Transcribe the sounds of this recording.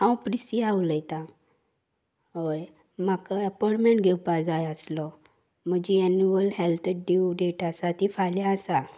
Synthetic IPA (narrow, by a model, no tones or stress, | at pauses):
ãwpɾisiawləjt̪ã | ɦoj | makaəpɔʈmẽɳʈɡʱewpad͡zajəslɔ | m̤əd͡ʑiɛnuəlɦelt̪ʰeɖiwɖeʈasat̪ifaljaəsa